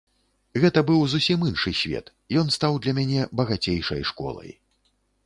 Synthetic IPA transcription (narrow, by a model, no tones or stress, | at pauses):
ɣɛt̪ɐbɨwzusʲiminʂɨsʲvʲɛ̰t̪ | jɔnst̪awd̪lʲɐmʲanʲɛbɐɣat͡sʲejʂɐ̰jʂkɔ̰lˠɐ̰j